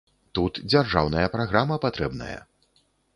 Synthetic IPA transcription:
t̪ut̪d͡zʲarʐawnɐjɐpɾaɣɾamɐpat̪ɾɛbnɐ̰jɐ̰

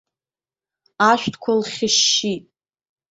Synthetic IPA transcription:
aʃʷᶣtʰkʷʰalχʲɪʃːitʼ

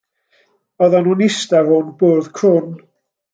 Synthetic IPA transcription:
ɔðanunɪstavʊnboːð̥kʰrʊn

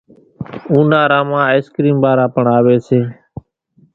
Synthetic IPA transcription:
ũːnaːɾãːmãːskɾiːmbaːɾaːpəɳaːʋeːseː

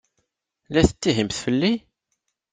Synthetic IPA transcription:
læθət͡s̪ːiɦimθfəlːi

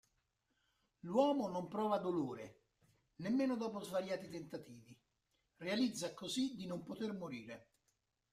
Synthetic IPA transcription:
lwɔːmonompɾɔːvad̪oloːɾḛ | nemːeːnʊd̪ɔːpozvaɾjaːt̪it̪ent̪at̪iːvi | realid̪zːakozid̪inompot̪ermoɾiːɾe

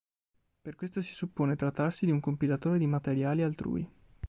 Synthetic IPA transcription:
perkwest̪osi̥supːoːnet̪ɾat̪ːarsid̪iuŋkompilat̪oːɾed̪imat̪eɾjaːlialt̪ɾṵːḭ

